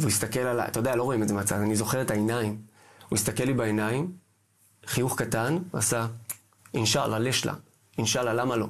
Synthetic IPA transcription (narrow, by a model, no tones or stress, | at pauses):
veuist̪ake̞lala̰a̰t̪ajodealo̞ʁoimetzemat͡sazanizo̞χe̞ʁetaenaim | uist̪ake̞lːibaenaim | χijuχkatana̰sa | inʃalʔaleʃlʔa̰ | inʃalalamalo̞